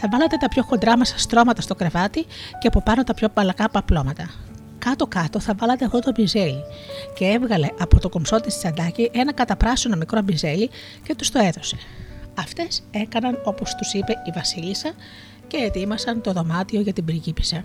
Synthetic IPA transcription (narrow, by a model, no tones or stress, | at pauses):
θɐvɐlɐt̪e̞t̪ɐpço̞xo̞nd̪ɾɐmesɐ̥st̪ɾo̞mɐt̪ɐst̪o̞kɾe̞vɐt̪iceɐpo̞pɐno̞t̪ɐpço̞pɐlɐkɐpɐplo̞mɐt̪ɐ | kɐt̪o̞kɐt̪o̞θɐvɐlɐt̪eɐft̪o̞t̪obinze̞lice̞evɣɐle̞ʔɐpot̪o̞ko̞mso̞t̪ist̪i̥sɐnd̪ɐciʔe̞nɐkɐt̪ɐpɾɐsionomikɾobinze̞li | ce̞t̪u̥st̪o̞e̞ðo̞se̞̥ɐft̪e̞se̞kɐnɐno̞po̞st̪usipe̞ivɐsilisɐ | ce̞ːt̪imɐsɐnt̪o̞ðo̞mɐt̪io̞ʝɐt̪ibɾiʝipi̥sɐ